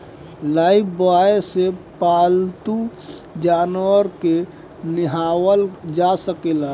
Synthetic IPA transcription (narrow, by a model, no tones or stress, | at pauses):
laɪbʰbaesepaːlt̪ud͡ʒaːnwəɾke | nɪɦaːwəld͡ʒasəkela